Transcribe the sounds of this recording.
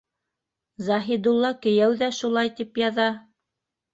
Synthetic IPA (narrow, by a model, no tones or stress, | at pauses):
zɑɦid̪ulˠːɑkɘ̆jæwðæʃulˠɑjt̪ipjɑðɑ